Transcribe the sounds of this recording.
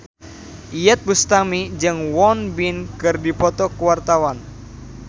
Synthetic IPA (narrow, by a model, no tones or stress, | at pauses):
ʔijɛt̪̚bust̪amid͡ʒɨŋwɔnbinkɨrdipɔt̪ɔkuwart̪awan